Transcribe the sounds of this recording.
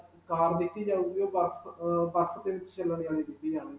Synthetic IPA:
kaːɾd̪ɪk̪ːiːd͡ʒaːuːɡioːbəɾsbəɾst̪eːʋɪt͡ʃt͡ʃəlːəɳd͡ʒaːɽiːd̪ɪk̪ːiːd͡ʒaːɽ̃iː

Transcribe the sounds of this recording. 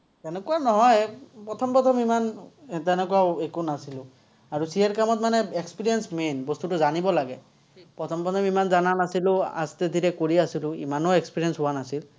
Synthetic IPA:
tɛnɛkuanɔɦɔjpɹɔt̪ʰɔmpɔt̪ʰɔmimantɛnɛkuwawekunasilʊ | aɹusiɛɹkamɔt̚manɛekspiɹijɛnsmenbɔst̪utʊzanibɔlaɡɛ | pɹɔt̪ʰɔmpɹɔt̪ʰɔmimanzananasilʊa̰st̪ed̪ʱiɾɛkoɹiasilʊḭmanɔekspiɹijɛnsɦʊwanasil

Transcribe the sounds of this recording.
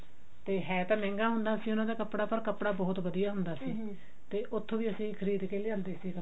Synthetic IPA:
t̪eːɦɛːt̪ãːmɛ̃ːŋɡaːɦʊ̃nd̪aːəsĩːʊnãːd̪aːkəpɽaːpəɾkəpɽaːbɔːt̪ʋəd̪ijaːɦʊ̃nd̪aːsiː | t̪eːʔʊt̪ʰːõːʋiːəsĩːkʰəɾiːd̪keːleãːnd̪eːsiːkə

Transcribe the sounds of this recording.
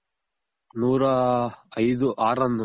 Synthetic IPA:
nuːɾɐɐjd̪uʔaːɾɐnd̪

